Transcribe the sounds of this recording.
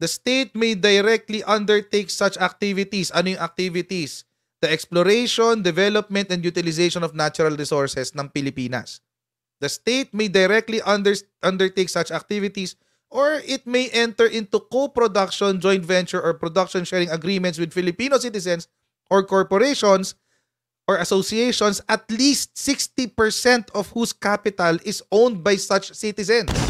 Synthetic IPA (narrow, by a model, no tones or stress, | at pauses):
d̪ɐst̪ejt̪̚mejd̪ɐjɾɛk̚t̪liʔɐ̃nd̪ɛɹt̪ejksɐt͡ʃɐk̚t̪ivɪt̪isɐnojʊŋʔɐk̚t̪ivɪt̪is | d̪̥ɐʔɛksplɔɾejʃɔnd̪ɛvɛlɔp̚mɛnt̪ɛ̃nd̪jut̪ɪlɪsejʃɔnɔfnat͡ʃʊɾɐlɹɪsɔɹsɛsnɐ̃ŋpɪlɪpiːnɐ̰s | d̪̥ɐst̪ejt̪̚mejd̪ɐjɾɛk̚t̪liʔɐnd̪ɛʔɐ̃nd̪ɛɹt̪ejksɐt͡ʃɐk̚t̪ivɪt̪is | ʔoɹɪt̪̚mejʔɛ̃nt̪ɛɹʔɪ̃nt̪ukopɾɔd̪ɐkʃɔ̃nd͡ʒɔ̃jnt̪vɛ̃nt͡ʃʊɹʔɔɹpɹɔd̪ɐkʃɔ̃nʃɛːɹɪ̃ŋɐɡɾiːmɛnt̪swɪd̪̚fɪlɪpinosit̪ɪsɛ̃ns | ʔɔɹkɔɹpɔɾeʃɔ̃ns | ʔɔɹɐsosieʃɔnsʔɐt̪list̪̚sɪkst̪ipɛɹsɛ̃nt̪ɔv̥huskapɪt̪ɐlɪsõwnd̪̚bajsɐt͡ʃsɪt̪ɪsɛ̃ns